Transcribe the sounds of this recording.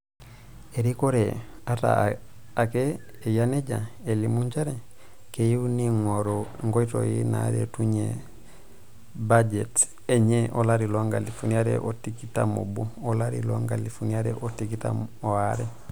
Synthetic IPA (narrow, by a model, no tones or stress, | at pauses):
eɾikoɾe | ata̰ | akeː | janeɟaelimuɲt͡ʃaɾe | kejiniŋoɾoŋɡoito̰jina̰ɾḛtuɲe | bad͡ʒet | eɲeʔolaɾiloŋɡalifuniaɾḛʔotikita̰mo̰buolaɾḭloŋɡalifuniaɾeʔotikita̰moaɾe